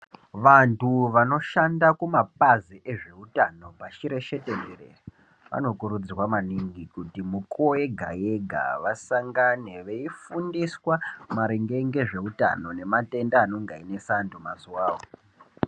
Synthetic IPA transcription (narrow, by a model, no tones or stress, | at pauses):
ʋantuʋano̞ʃandakumapaziʔeʐe̞utano̞pat͡ʃiɾe̞ʃe̞tenerḛ | ʋa̰no̞kuɾud͡zirwamaniŋɡikutimukoe̞ɡʱa̰je̞ɡʱa̰ʋasaŋɡane̞ʋeifundiswamaɾeŋɡe̞ŋɡe̞ʐe̞uta̰no̞ne̞mate̞ndaːno̞ŋɡaine̞santumazuwaːwo